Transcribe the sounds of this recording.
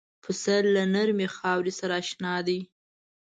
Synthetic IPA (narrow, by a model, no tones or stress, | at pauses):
pʰəsallanaɾmexɑwɾisaɾaːʃnɑd̪i